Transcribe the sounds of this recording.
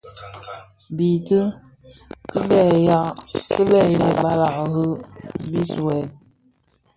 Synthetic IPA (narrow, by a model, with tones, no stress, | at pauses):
bi˨tə˦ | kə˦bɛ˦˨ja˦kə˦lɛ˦˨jɛ˦ba˦la˨ʔhɨ˦bi˦swɛ˨n̚